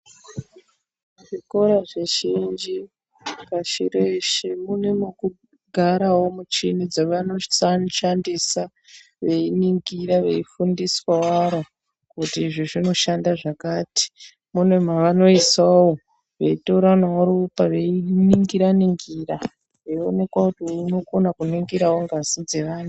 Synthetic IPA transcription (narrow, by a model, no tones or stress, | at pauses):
ʐiko̞ɾaʐeʃind͡ʒi | kaʃiɾeʃemune̞muku | ɡʱaɾawo̞mut͡ʃinid͡zaʋano̞sanʃandisa | ʋe̞iniŋɡiɾaʋe̞̰ifundiswawaɾo | kutiːʐiʐino̞ʃandaʐakaːti̥ | mune̞m̤aʋano̞isawo | ʋe̞itoɾanauɾupaʋe̞iniŋɡiɾaniŋɡira | ʋeione̞kwakutiuno̞konakuniŋɡiɾawoŋɡazid͡ze̞ʋaːn̤u